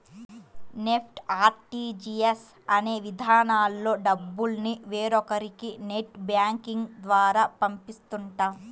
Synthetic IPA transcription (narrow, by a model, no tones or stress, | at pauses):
nepʰʈaːɾʈid͡ʒies | ɐne̞ːʋid̪ʱaːnaːlːo̞ːɖɐbːulniʋeːɾɔkɐɾikineʈbjaːŋkiŋɡd̪ʋaːɾaːpɐmpist̪uɳʈaːm